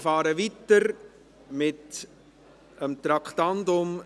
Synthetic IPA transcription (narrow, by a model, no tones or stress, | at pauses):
fɑːɾəʋit̪əɾ | mɪt | əmt̪ɾɑkχt̪ɑndʊm